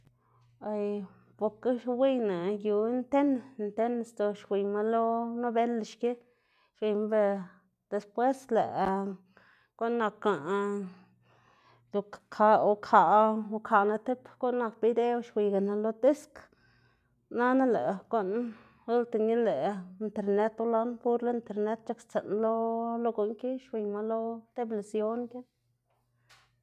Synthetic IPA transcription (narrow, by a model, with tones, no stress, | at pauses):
a˧˨j | po˨ɾke˦wi˦jna˨ju˧˦nt̪e˦n˧nt̪e˦n˧˨st̪o˧ʃwʷi˧jma˧lo˦no˦be˦lʃke˦ | ʃwi˧ma˧be˧ | d̪̥e˧spwe˦sle˨ʔ | ɡ̥o˦nːa˧ka˨ | d̪u˧kkʰa˧o˧kʰa˨˧kʰa˨na˧t̪e˦pɡo˦nːa˧kbi˦d̪e˦˧˦ʃwʷi˧ɡa˨na˧lo˧t̪e˦sk | na˦na˦lḛ˨ɡo˦n | u˦lt̪e˨ni˦le˨i˧nt̪e˨ɾne˦t̪u˧la˦npu˧ɾle˧˦i˧nt̪e˧ɾne˦t̪̚t͡ʃa˦kt͡se˨nlo˦lo˦ɡo˧˨ŋki˦ʃwi˨˧ma˧lo˦t̪e˦bla˨sjo˦nki˦n